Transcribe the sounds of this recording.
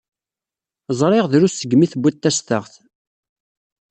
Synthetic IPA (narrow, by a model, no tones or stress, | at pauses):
zˤɾˤɪʁðɾusəɡːmiθəbʷːæt̪ːæst̪əʁθ